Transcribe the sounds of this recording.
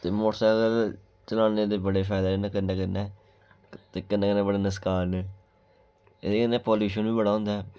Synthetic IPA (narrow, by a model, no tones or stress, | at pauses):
t̪eːmoːʈəsaːəɡəɾ | t͡ʃəlaːneːd̪eːbəɽeːpʰɛːd̪aːneːkənːẽːkənːeː | t̪eːkənːẽːkənːẽːbəɽeːnəskaːɾneː | ekənːeːpoːljuːʃənʋiːbəɽaːɦʊ̃ːnd̪aɛː